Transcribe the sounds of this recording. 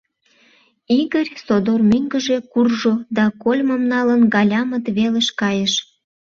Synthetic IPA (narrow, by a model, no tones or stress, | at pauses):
iɣərʲsod̪ormyŋɡəʒe̽kurʒod̪ɑkolʲməmnɑlənɡɑlʲɑmət̪βeleʃkɑjəʃ